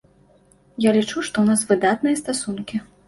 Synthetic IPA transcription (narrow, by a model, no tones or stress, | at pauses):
jalʲit͡ʂuʂt̪ɔwnasvɨd̪at̪nɨjɐst̪asunkʲi